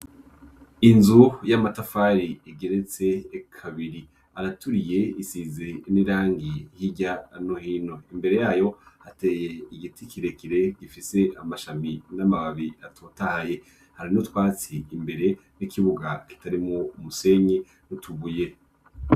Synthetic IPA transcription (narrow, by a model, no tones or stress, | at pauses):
inzujamatafaɾiiɡe̞ɾet͡se̞kʰaβiɾi | aɾatuɾije̞isizeniɾaːŋɡihiɟanohiːno̞imbe̞ɾe̞jaːjo̞hateːje̞iɡitikʰiɾe̞kiɾe̞ɡ̥ifise̞ʔamaʃaminamaβaβiatʰotahaje̞ | haɾinutwaːt͡siːmbe̞ɾe̞ | nikiβuɡaki̥taɾimoumuse̞ɲi | nutʰuɡuje̞